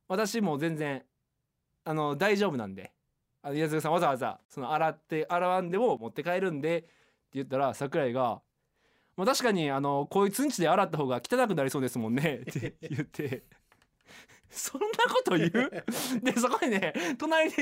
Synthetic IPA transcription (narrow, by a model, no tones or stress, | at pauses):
βat̪aɕimo̞zẽ̞nd͡zẽ̞ɰ̃ | ano̞d̪aiʑo̞ːbɯ̟nã̰nd̪e̞̰ | anoiazɨɡas̬ãβazaβaza̰so̞no̞aɾat̪ːeʔaɾaβãnd̪e̞mo̞mo̞t̪ːe̞kaeɾɯ̟̃nd̪e̞ | t̪ːe̞jɯ̟t̪ːaɾasakɯ̟ɾaiɡa | mot̪aɕi̥kaɲ̟iano̞koːit͡sɨ̃ɲ̟t͡ɕid̪e̞aɾat̪ːaɦoːɡakʲi̥t̪anak̬ɯ̟naɾʲiso̞ːd̪e̞sɨmõ̞nːe̞t̪ʰːejɯ̟t̪ʰːe̞ | sõ̞nːako̞t̪o̞jjɯd̪es̬oko̞ɲine̞t̪o̞naɾʲid̪e